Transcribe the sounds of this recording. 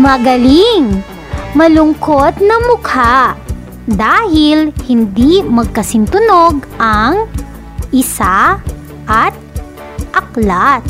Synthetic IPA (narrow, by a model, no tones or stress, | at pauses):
mɐɡɐliŋ | mɐlʊŋkot̪̚nɐmʊkʰa | d̪aːhɪlhɪnd̪imɐɡ̚kɐsɪnt̪ʊno̞ɡʔɐŋ | ʔɪsa | ʔɐt̪̚ | ʔɐklat̪̚